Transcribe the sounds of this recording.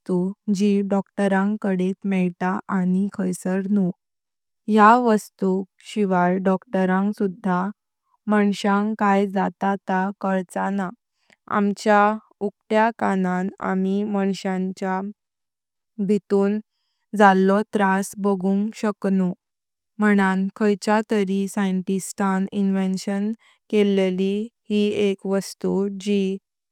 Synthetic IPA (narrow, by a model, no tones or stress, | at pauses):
t̪ud͡ʑiɖɔkʈəɾãŋkəɽet̪mɛɭt̪aʔaɽ̃ikʰəjsəɾnu | jaʋəst̪u | ɕiʋaɭɖɔkʈəɾãŋksud̪ʱːa | məɳɕãŋkajd͡zat̪at̪akəɭt͡sana | a̰mt͡ɕja | ukʈjakanãna̰miməɳɕãɲt͡ɕja | bʱit̪uːn | d͡zalːɔt̪ɾasbəɡũːŋɡɕəknu | məɽ̃ankʰəjt͡ɕat̪əɾisajənʈistʰaninʋenɕən | kelelihiekʋəst̪ud͡ʑi